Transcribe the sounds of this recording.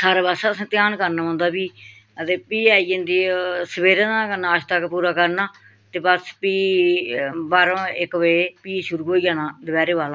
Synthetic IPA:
saːɾaːbaːsaːəsãːt̪ɪjaːnkəɾnãːãːnd̪aːbiː | t̪eːpiːaːiːə̃nd̪iːsəbeːɾãːnãːkənãːəʃt̪əkpuːɾaːkəɾnaː | t̪eːbəspiː | baːɾõːɪkʋepiːʃʊɾuːɦoːiːãːnãːd̪əbɛːɾeːʋaːlãː

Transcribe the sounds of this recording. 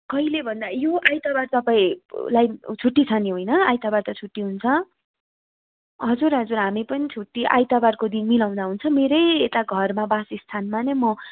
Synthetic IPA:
kʌilebʱʌnd̪ajoʔajt̪abart̪ʌpaĩlajt͡sʰuʈːit͡sʰʌniɦojnʌajt̪abart̪ʌt͡sʰuʈːiɦunt͡sʰʌ | ɦʌd͡zurɦʌd͡zurɦamipʌnit͡sʰuʈːiʔa̰jt̪abarkod̪inmilaw̃d̪aɦunt͡sʰʌ̃meɾʌjet̪aɡʱʌrmabasist̪ʰanmanemʌ

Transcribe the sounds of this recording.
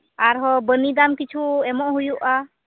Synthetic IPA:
aɾɦɔbənid̪amkit͡ʃʰuɛmɔʔɦujuʔa

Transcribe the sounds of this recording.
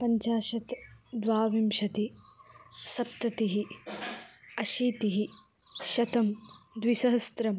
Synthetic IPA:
pɐɲt͡ʃaːʃɐt̪d̪ʋaːʋimʃɐt̪i | sɐp̚t̪ɐt̪iɦi | ɐʃiːt̪iɦi | ʃɐt̪ɐmd̪ʋisɐɦɐst̪ɾɐm

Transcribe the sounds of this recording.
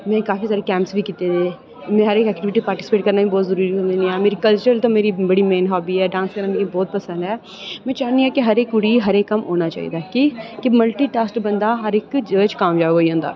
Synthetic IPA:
mɛ̃ːkaːfisaːɾekɛ̃ːmpsbʱikiːt̪ed̪ẽ | mɛ̃ɦɐɾeːkɛːkʈɪʋɪʈipaːɾʈɪ̥sɪ̥peːʈ̚kɐɾnabʱibɔːt̪zɐɾuːɾiõnd̪inĩɛ̃ːmeːɾikɐlt͡ʃəɾlt̪omeːɾibɐɽimeːnɦɔːbʱiɦɛːɖãːnskɐɾnamikibɔːt̪̚pɐsə̃nd̪ɦɛː | mɛ̃ːt͡ʃaːnĩɦɛkeɦɐɾeːkʊɽiɦɐɾeːkːɐmɦoːnat͡ʃa̰ːḭd̪akikemɐlʈiʈaːsʈbɐ̃nd̪aɦɐɾeːkd͡ʒəːt͡ʃkaːmd͡ʒaːɦoːiɦõːnd̪a̰ː

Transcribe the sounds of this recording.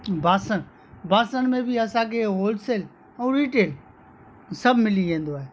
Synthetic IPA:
baːsən | baːsəñmẽbɪɐsãkʰeɦoːlɖseːl | ɛ̃ːɾiːʈeːl | sɐbʱmɪliʋẽːnd̪oaːɦeː

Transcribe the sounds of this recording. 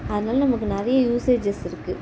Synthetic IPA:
ɐðɐnaːlnɐmɐkːɯnɛɾɐjɐjuːseːd͡ʒɛsɪɾɯkːɯ

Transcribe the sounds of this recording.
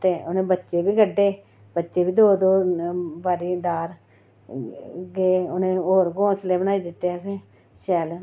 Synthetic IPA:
t̪eːʔʊnẽːbətːʃeːbiːɡəɖːeː | bətːʃeːʋiːd̪oːd̪oːbaːɾiːd̪aːɾ | ɡeːonẽːoːɾɡõːsleːbənaːiːd̪ɪt̪ːeːsẽː | ʃɛːl

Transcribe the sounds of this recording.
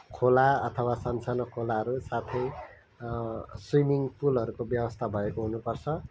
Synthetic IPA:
kʰolaʌt̪ʰʌwasʌnt͡sanʌkʰolaɦʌɾusat̪ʰʌj | swimiŋpulʌɾukobjʌwʌst̪ʰabʱʌekoɦunupʌrt͡sʰʌ

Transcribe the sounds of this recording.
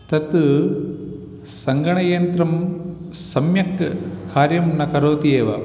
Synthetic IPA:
t̪ɐt̪ | sɐŋɡɐɳɐjɐnt̪ɾɐm | sɐmjɐkʰːaːɾjɐmnɐkɐɾoːt̪ieːʋɐ̰

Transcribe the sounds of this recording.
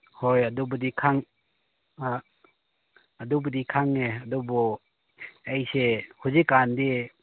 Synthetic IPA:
hojadubədikʰaŋ | ɐdubədikʰaŋːeadubɔ | ejsehuzikːande

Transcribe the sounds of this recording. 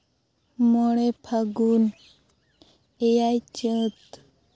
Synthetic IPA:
moɭepʰaɡun | ejajt͡ʃət̪

